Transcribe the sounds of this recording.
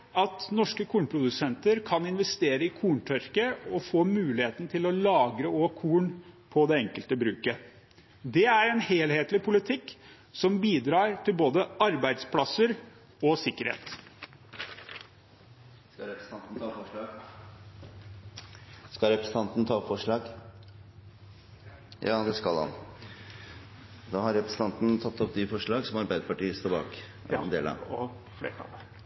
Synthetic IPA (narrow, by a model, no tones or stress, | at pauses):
ɑt̪nɔʂkəkʰuːɳpʰɾʊd̪ʉsɛnt̪əɾkʰɑnɪnʋɛst̪eːɾəɪkʰuːɳʈʰœɾkəɔfoːmʉːlɪheːt̪n̩t̪ʰɪlɔlɑːɡɾəoːkʰuːɳpʰɔd̪ɛɛŋkəlt̪əbɾʉːkə | d̪ɛæɾɛnheːlheːt̪lɪpʰʊlɪt̪ʰɪkː | sɔmbiːd̪ɾɑːɾʈʰɪlboːd̪əʔɑɾbæɪd̪spʰlɑsəɾ | ɔsɪkːəɾhḛːt̪ | skɑɾɛpɾs̩ɑnt̪n̩t̪ʰɑːfɔʂɭɑːɡ | skɑlɾɛpɾəsn̩ɑnt̪n̩t̪ʰɑːfɔʂɭɑːɡ | jɑ̰ːd̪ɛskɑlɑ̰n | d̪ɑːhɑɾɛpɾɛsən̩t̪ɑnt̪n̩t̪ʰɑt̪ːɔpd̪ɪfɔʂɭɑːɡsɔmɑɾbæɪd̪əpɑʈiːəst̪oːɾbɑ̰ːk | ɛnd̪ḛːlɑ̰ʋɔ | flḛːkɑ̰lə